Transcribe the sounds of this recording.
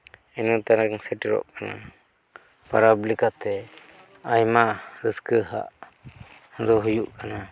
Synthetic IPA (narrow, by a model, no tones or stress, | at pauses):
ɛnut̪aɾakŋsɛʈɾɔ̰ʔkana̰ | paɾablikat̪ɛ | ajmaɾəskəɦa̰ʔ | d̪ɔɦujuʔkana